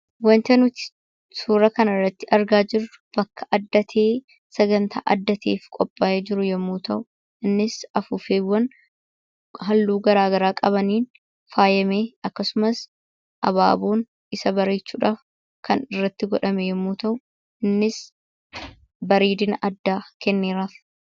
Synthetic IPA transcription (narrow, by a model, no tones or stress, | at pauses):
wɐnt̪ɛnʊt̪ɪ̥ | suːɾɐkɐnɐrːɐt̪ːɪʔɐɾɡaːd͡ʒɪɾʊ̥b̥ɐkːɐ̥ʔɐd̪ːɐt̪ʰeː | sɐɡɐnt̪ʰa̰ːʔɐd̪ːɐt̪ʰeːfkʼɔpʼːaːʔeːd͡ʒɪɾʊjɛmːuːt̪ɐʔʊ | ʔɪnːɪsɐfʊfeːwːɐn | ɦɐlːuːɡɐɾaːɡɐɾaːkʼɐβɐniːn | faːjɐmeːɐkːɐsʊmɐs | ʔɐba̰ːboːn | ɪsɐbɐɾe̞ːt͡ʃːuːᶑaːf | kʰɐnɪrːɐt̪ːɪɡɔᶑɐmɛjɛmːuːt̪ɐʔʊ | ɪnːɪs | bɐɾiːd̪ɪnɐʔɐd̪ːaːkɛnːeːɾaːf